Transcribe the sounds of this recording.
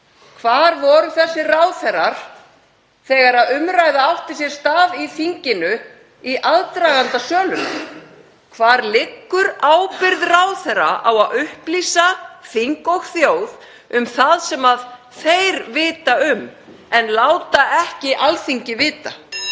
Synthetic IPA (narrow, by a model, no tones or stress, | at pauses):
kʰvaːɾvɔɾʏθɛsːɪraːwθɛɾaɾ̥ | θɛːɣaɾaðʏmɾajðaawht̪ɪ̥sjɛɾ̥st̪aːðiθiɲcɪnʏ | iʔaðt̪ɾaːɣant̪asœːlʏm | kʰvaːɾlɪkːʏɾaːwpɪɾðraːwθɛɾa̰ʔawaðʏhpliːsaθiŋkɔɣθjoːwð | ʏmθaðsɛmað | θejɾvɪːt̪aʏm | ɛnlaːwt̪aʔɛhcɪʔalθiɲcɪvɪːt̪a̰